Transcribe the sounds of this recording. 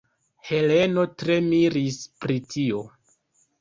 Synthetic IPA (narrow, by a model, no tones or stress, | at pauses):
he̞le̞no̞tɾe̞miɾispɾitʰio̞